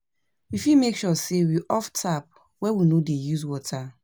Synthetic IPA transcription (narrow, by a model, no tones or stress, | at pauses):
wifimekʃɔsewiʔɔftʰap̚ | wɛwinodejuzwɔtʰa